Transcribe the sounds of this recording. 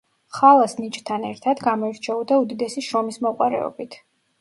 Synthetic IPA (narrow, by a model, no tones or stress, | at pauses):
χalˠasnit͡ʃʼt̪ʰanɛɾt̪ʰad̪ɡamɔɛɾt͡ʃʰɛɔd̪aud̪id̪ɛsiʃɾɔmismɔqʼwaɾɛ̰ɔ̰bit̪ʰ